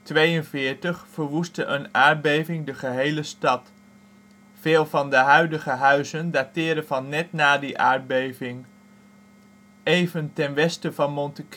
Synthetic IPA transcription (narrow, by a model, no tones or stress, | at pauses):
tʋejənvɪːɹtəχfəɹʋustəʔənaːɹ̚bejvɪŋdəχəɦejləstɑt | feːlˠvɑndəɦœɥdəχəɦœɥzəndaːtɪːɾəvɑnːɛtnaːdiʔaːɹ̚bejvɪŋ | ejvəntɛnʋɛstəvɑnmɔntək